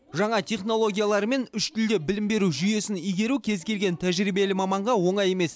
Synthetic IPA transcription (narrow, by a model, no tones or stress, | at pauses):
ʒɑɴɑt̪ʲʰe̞χno̞lˠo̞ɡʲijalˠɑɾme̞nʏʃt̪ɪld̪e̞bɪlɪmbe̞ɾuʒʏje̞sɪnijɡʲe̞ɾukʲʰe̞zkʲe̞lɡʲe̞nt̪ʰæʒɾijbe̞lɪmɑmɑɴʁɑwo̞ɴɑje̞me̞s